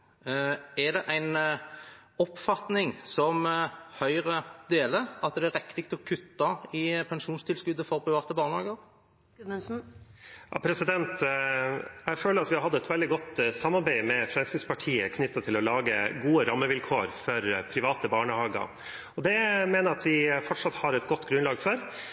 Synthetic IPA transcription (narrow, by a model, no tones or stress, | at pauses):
æd̪ɛʔæɪn | ɔpːfɑt̪nɪŋsɔmhœʏɾəd̪eːləɑt̪̚d̪ɛæɾɛkt̪ɪk̚t̪ɔkʰʉt̪ːɑɪpʰɛnʃuːnst̪ʰɪlskʉd̪ːəfɔɾpʰɾɪʋɑːt̪əbɑːʁnəhɑːɡəɾ | ɛns̩ | jɑ̰pʰɾɛsɪd̪ɛnt̪ | jæɪføːləɾɑt̪ʋɪhɑɾhɑd̪əɛt̪ʋɛld̪ɪɡɔt̪ːsɑmːɑɾbæɪmɛfɾɛnsɪspɑʈʰiːəkʰnʏt̪ːɑt̪ʰɪlɔlɑːɡəɡuːəɾɑmːəʋɪlkʰoːɾfɔɾpʰɾɪʋɑːt̪əbɑːɳəhɑːɡɑ̰ɾ | ɔd̪ɛmeːnəɾɑt̪ʋɪfɔʈʂɑt̪hɑɾɛt̪ɡɔt̪ːɡɾʉnlɑːɡfɔɾ